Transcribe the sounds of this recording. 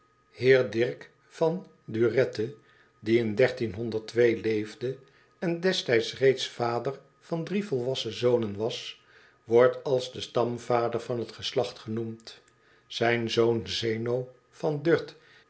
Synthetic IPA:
hɪːɹdɪɹk | fɑn | dyrɛtə | diɪndɛɹtinɦɔndəɹtʋejlejvdə | ɛndɛstɛjtsrejtsfaːdər | vɑndrivɔlˠʋɑsəzownənʋɑs | ʋɔɹtɑlˠzdəstɑmv̥aːdəɹvɑnɦətχəslɑχtχənumt | z̥ɛjnzownzejnow | vɑndøɹt

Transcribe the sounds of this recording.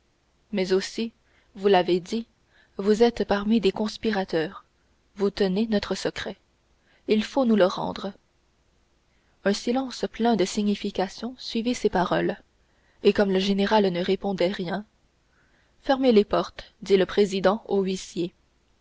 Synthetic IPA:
mɛzosi | vulaved̪i | vuzɛt̪paʁmid̪ekɔ̃spiʁat̪œːʁ | vut̪ənenɔt̪χəsəkχɛ | ilfonuləʁɑ̰̃d̪ʁə | œ̃silɑ̃splɛ̃d̪əsiɲifikʲasjɔ̃sɥivisepaʁɔl | ekɔmləʒeneʁalnəʁepɔ̃d̪ɛʁjɛ̃ | fɛʁmelepɔʁt̪d̪iləpχezid̪ɑ̃oɥisje

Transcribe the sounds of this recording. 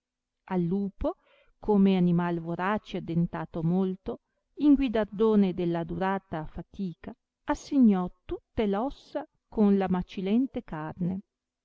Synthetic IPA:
alːuːpo | kʰoːmeanimalvoɾat͡ʃead̪ːent̪aːt̪omolt̪o | iŋɡwid̪ard̪oːned̪elːad̪uɾaːt̪afat̪iːka | asːeɲːɔt̪ut̪ːelɔsːa | konlamat͡ʃilɛnt̪ekarne

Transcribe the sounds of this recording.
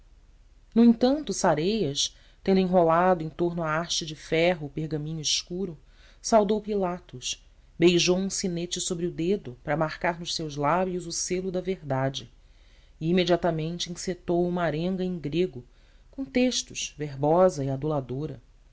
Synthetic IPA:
nʊẽt̪ɐ̃nt̪ʊsaɾejɐs | t̪ẽnd̪ʊẽɦolad̪ʊẽj̃t̪oɦnʊaaɾt͡ʃɪd͡ʒɪfɛɦʊːpehɡɐmĩɲʊiʃkuɾʊ | sawd̪owpilat̪ʊs | bejʒowũsinet͡ʃɪsobɾɪʊd̪ed̪ʊpɾɐmaɾkaɾnʊʃsewzlabjʊzʊselʊd̪ɐveɾd̪ad͡ʒɪ | ɪimed͡ʒiat̪ɐmẽnt͡ʃɪĩset̪owũmaɾẽŋɡɐẽj̃ŋɡɾeɡʊ | kõt̪eʃt̪ʊʃveɦbɔzɐiad̪ulad̪oɾɐ

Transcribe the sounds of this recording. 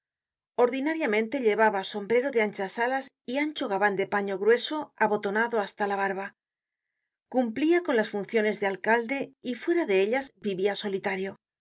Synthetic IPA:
o̞ɾðinaɾjamẽnt̪e̞ʎe̞βaβaso̞mbɾe̞ɾo̞ðe̞ant͡ʃasalas | iant͡ʃo̞ɣ̞aβand̪e̞paɲo̞ɣɾwe̞so̞aβo̞t̪o̞naðo̞ast̪alaβaɾβa | kumpliako̞nlasfunθjo̞ne̞zðe̞alkald̪e̞ifwe̞ɾaðe̞eʎazbiβiaso̞lit̪aɾjo̞

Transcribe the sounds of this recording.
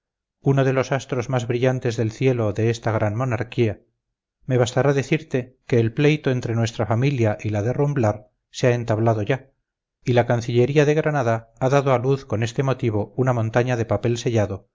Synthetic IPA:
uno̞ðe̞lo̞sast̪ɾo̞zmazβɾiʎant̪e̞zðe̞lθje̞lo̞ðe̞est̪aɣ̞ɾanmo̞naɾkia | me̞βast̪aɾaðe̞θiɾt̪e̞ke̞ːlple̞jt̪o̞e̞nt̪ɾe̞nwe̞st̪ɾafamiljaʔilaðe̞rumblaɾ | seae̞nt̪aβlaðo̞ʝa | ilakanθiʎe̞ɾiaðe̞ɣɾanaðaaðaðoaluθko̞ne̞st̪e̞mo̞t̪iβ̞o̞unamõ̞nt̪aɲaðe̞pape̞lse̞ʎaðo̞

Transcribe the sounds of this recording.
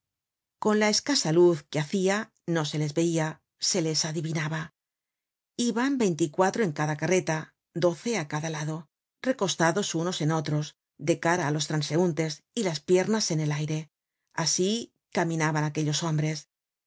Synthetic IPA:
ko̞nlae̞skasaluθke̞aθia | no̞se̞le̞zβe̞ia | se̞le̞saðiβinaβa | iβambe̞jnt̪ikwat̪ɾo̞e̞ŋkaðakare̞t̪a | d̪o̞θe̞akaðalaðo̞ | re̞ko̞st̪aðo̞suno̞se̞no̞t̪ɾo̞s | d̪e̞kaɾaːlo̞s̬t̪ɾanse̞unt̪e̞silaspje̞ɾnase̞ne̞lajɾe̞ | asi | kamĩnaβanake̞ʎo̞so̞mbɾe̞s

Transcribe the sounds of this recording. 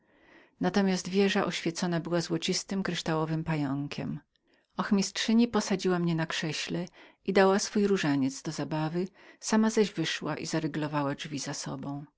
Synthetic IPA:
nat̪ɔmʲjast̪vʲjɛʐaʔɔɕfʲjɛt̪sɔnabɘwazwɔt͡ɕist̪ɘmkɾɘʂt̪awɔvɘmpajɔŋkʲʰɛ̰m | ɔxmʲistʂɘɲipɔsad͡ʑiwamɲɛnakʂɛɕlɛ | id̪awasfujɾuʐaɲɛt̪zd̪ɔzabavɘ | samazaʑvɘʂwaʔizaɾɘɡlɔvawaʐvʲizasɔ̰bɔ̃w̃

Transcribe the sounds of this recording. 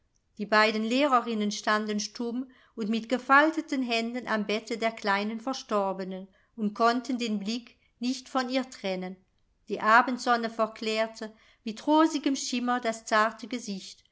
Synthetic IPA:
d̥iːbaɪdən̩leːʁəʁɪnənʃtandənʃtʊm | ʊntmɪtɡ̥əfaltətənɦɛndənʔa̰mbɛtədeːɐkl̥aɪnənfɛɐʃtɔɐbənən | ʊntkʰɔntəndeːnblɪk | nɪçtfɔniːɐtʁ̥ɛnən | d̥iːʔaːbəntz̥ɔnəfɛɐklɛːɐtʰə | mɪtʁoːzɪɡəmʃɪmɐdast͡saɐtəɡəzɪçt

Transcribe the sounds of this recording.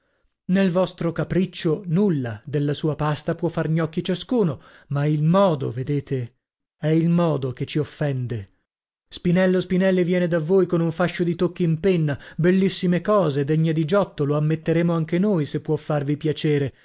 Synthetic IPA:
nelvɔst̪ɾokapɾit͡ʃːonulːad̪elːasuːapast̪apwɔfːarɲɔk̟ːit͡ʃaskuːno | mailmɔːd̪o̰ved̪eːt̪e | ɛilmɔːd̪oket͡ʃːiofːɛnd̪e | spinɛlːospinɛlːivjɛːned̪avːoːjkonuɱfaʃːod̪it̪okːiimpenːabelːisːimekɔːzed̪eɲːed̪id͡ʒɔt̪ːoloamːet̪ːeɾeːmoaŋk̟enojsepːwɔfːarvipjat͡ʃeːɾe

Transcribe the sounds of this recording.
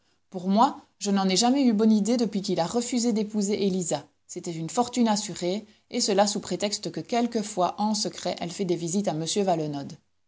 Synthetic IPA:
puʁmwa | ʒənɑ̃nɛʒamɛybɔnid̪ed̪əpɥik̬ilaʁəfyzed̪epuzeʔeliza | set̪ɛt̪ynfɔʁt̪ynasyʁe | esəlasupχet̪ɛkst̪əkəkʲɛlkəfwaʔɑ̃səkχɛʔɛlfɛd̪evizit̪aməsjøvalɔnɔd̪

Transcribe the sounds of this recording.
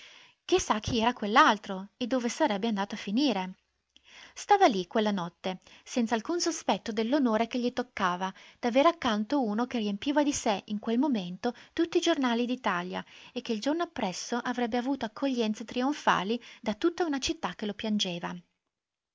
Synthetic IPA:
k̟isːak̟ʰːiɛːɾakwelːalt̪ɾoed̪ːoːvesaɾɛbːeand̪aːt̪oafːiniːɾe | st̪aːvalikwelːanɔt̪ːesɛnt̪salkunsospɛt̪ːod̪elːonoːɾek̟eʎːit̪okːaːvad̪̥aveːɾakːant̪ouːnok̟eriempiːvad̪iseiŋkwelmoment̪ot̪ut̪ːid͡ʒornaːlid̪it̪alja̰ekːeild͡ʒornoapːɾɛsːoʔavɾɛbːeavuːt̪oakʰːoʎːɛnt̪sat̪ɾioɱfa̰ːlid̪at̪ut̪ːaunat͡ʃit̪ːak̟ːelopjand͡ʒeːva̰

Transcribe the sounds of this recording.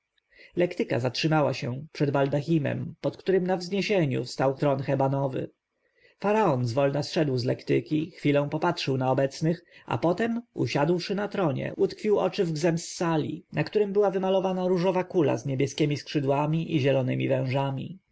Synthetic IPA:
lɛkt̪ɘka̰zatʂɘmawaɕɛpʂɛd̪bald̪axʲimɛ̰mpɔt̪kt̪uɾɘmnavzɲeɕeɲṵst̪awt̪ɾɔnxɛbanɔvɘ̰ | faɾaɔnzvɔlnasʂɛd̪wzlɛkt̪ɘkʲixfʲilɔ̃pɔpatʂɘwnaɔbɛt̪snɘxa̰pɔt̪ɛmṵɕad̪wʂɘnat̪ɾɔɲɛ̰ut̪kfʲiwɔ̰t͡ʂɘvɡzɛmsːalʲḭnakt̪uɾɘmbɘwavɘmalɔvanaɾuʐɔvakula̰zɲebʲjɛskʲemʲiskʂɘd̪wamʲiʔiʑɛlɔnɘ̰mʲivɛ̃w̃ʐamʲḭ

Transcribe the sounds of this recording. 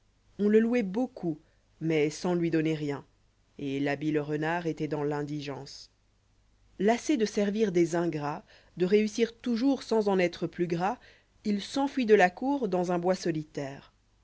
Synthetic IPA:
ɔ̃ləluɛbokʰu | mɛsɑ̃lɥid̪ɔneʁjɛ̃ | elabiləʁənaʁet̪ɛd̪ɑ̃lɛ̃d̪iʒɑ̃s | lased̪əsɛʁviʁd̪ezɛ̃ɡʁa | d̪əʁeysiʁt̪uʒuʁsɑ̃zɑ̃nɛt̪χəplyɡʁa | ilsɑ̃fɥid̪əlakuʁd̪ɑ̃zɛ̃bwasɔlit̪ɛːʁ

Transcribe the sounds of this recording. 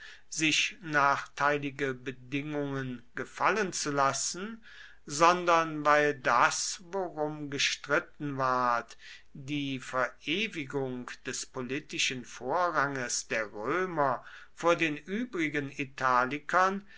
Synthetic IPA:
z̥ɪçnaːχtʰaɪlɪɡəbədɪŋʊŋənɡ̥əfalənt͡sulasn̩ | zɔndɐnvaɪldasvoʁʊmɡəʃtʁ̥ɪtn̩vaɐt | d̥iːfɛɐʔeːvɪɡʊŋd̥ɛspolitɪʃənfoːɐʁaŋəsd̥eːɐʁøːmɐ | foːɐdeːnʔyːbʁɪɡənitʰaːlɪkʰɐn

